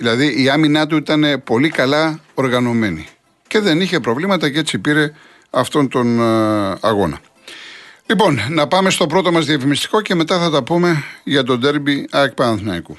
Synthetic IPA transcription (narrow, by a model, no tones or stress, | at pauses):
ðilɐðiʔiɐminɐt̪̬uit̪ɐne̞po̞likɐlɐo̞ɾɣɐno̞me̞ni | ce̞ðe̞niçe̞pɾo̞vlimɐt̪ɐce̞t͡sipiɾe̞ | ɐft̪o̞nt̪o̞n | ɐɣo̞nɐ̰ | lipo̞nːɐpɐme̞st̪o̞pɾo̞t̪o̞mɐzðiɐfimist̪i̥ko̞ce̞me̞t̪ɐθɐt̪ɐpume̞ʝɐt̪̬o̞d̪e̞ɾbiɐkpɐɐnθnɐiku